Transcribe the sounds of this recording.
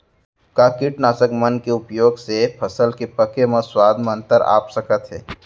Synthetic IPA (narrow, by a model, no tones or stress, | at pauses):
kaːkɪʈnaːsəkmɐnkeʊpjoːɡsepʰɐsəlkepɐkemə̃swaːd̪ʱmə̃nt̪əɾa̰ːpsɐkət̪ɦɛ̰ː